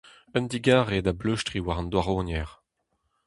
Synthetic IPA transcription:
œnd̪iɡaːʁedabløʃtʁiwaʁɑ̃nd̪waʁoːnjɛʁ

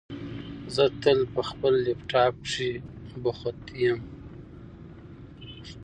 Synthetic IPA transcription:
zət̪əlpəxpəlːepʈɑpʂibəxʊt̪ijam

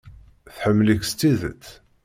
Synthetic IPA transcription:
θħəmːləkst̪ːiðə̰t͡sː

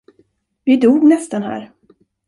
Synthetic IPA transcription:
vɪd̪uːɡnɛst̪anhæ̰ːɾ

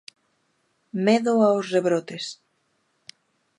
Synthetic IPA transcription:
meðoaosreβɾot̪es

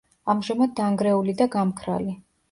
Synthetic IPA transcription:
amʒamad̪̚ːaŋɡɾɛulid̪aɡamkʰɾa̰li

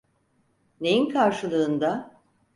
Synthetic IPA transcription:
ne̞jinkʰaɾʃɯlˠɯːnd̪a

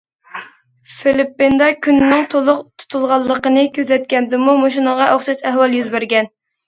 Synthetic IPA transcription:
filɪpːɪnd̪ɛkʲʰynnːɪŋt̪ʰolˠʊqt̪ʰu̥t̪ʰulˠʁɑlˠːəqənɨkʲʰøzɛt̪̚kʲɛnd̪ɪmumoʃ̬inəʁɑʔoχʃɑt̪ɛɦwɑlˠjyzbæɾɡʲɛn

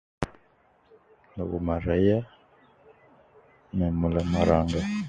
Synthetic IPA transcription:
noβṵmaɾaija | nɛmulamaɾaːŋɡa

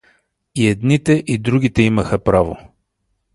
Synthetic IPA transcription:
iɛd̪nit̪ɛʔid̪ɾuɡ̟ʲit̪ɛiməxəpɾavo

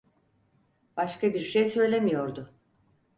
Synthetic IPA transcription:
b̥aʃkabiɾʃejsø̞jlʲemijo̞ɾd̪ʊ

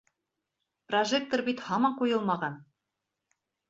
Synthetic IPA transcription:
proʒek̚t̪orbit̪hɑmɑɴqujɤlˠmɑʁɑn

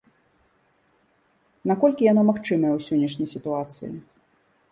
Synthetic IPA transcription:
nakɔlʲkʲijanamaxt͡ʂɨmɐjɛwsʲɔnʲːɐʂnʲɐjsʲit̪uat̪sɨ̰jḭ

